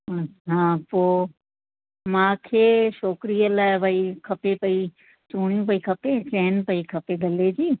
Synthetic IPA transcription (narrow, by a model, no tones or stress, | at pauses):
ɐɦãːpoː | mãːkʰeːʃoːkɾijəlaːɪʋʱɐikʰɐpepɐi | t͡ɕuːɽ̃ijũp̬ɐikʰɐpet͡ɕɛːnpɐikʰɐpeɡɐled͡ʑiː